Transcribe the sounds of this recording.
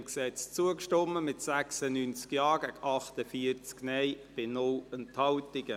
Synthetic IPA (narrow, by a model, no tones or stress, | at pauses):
mksɛt͡st͡suəkʃtɔmːəmɪtsæksənynt͡skjɑːɡæɡʔɑχtəfiəɾt͡sknɛjb̥ɪnʊlənthɑwtɪɡ̥ə